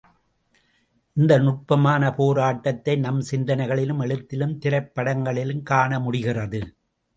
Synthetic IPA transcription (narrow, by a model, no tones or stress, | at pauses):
ʔɪnd̪ɐnʊʈ̚pɐmaːnɐpoːɾaːʈːɐt̪ːɐɪnɐmsɪnd̪ɐnɐɪɣɐɭɪlɯmɛɭɯt̪ːɪlɯmt̪ɪɾɐɪpːɐɽɐŋɡɐɭɪlɯmkaːɳɐmʊɽɪɣɪrɐðɯ